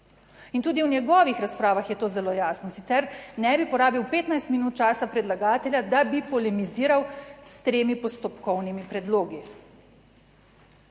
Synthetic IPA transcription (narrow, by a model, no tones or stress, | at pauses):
int̪uːd̪iwnjɛɡɔːʋixɾaspɾaːʋaxjɛt̪oːzɛloːjaːsnɔsit̪sɛɾnɛbipɔɾaːbiwpeːt̪najst̪minuːt̪̚t͡ʃaːsapɾɛd̪laɡaːt̪ɛljad̪abipɔlɛmiziːɾawst̪ɾeːmipɔst̪ɔpkɔwnimipɾɛd̪loːɡi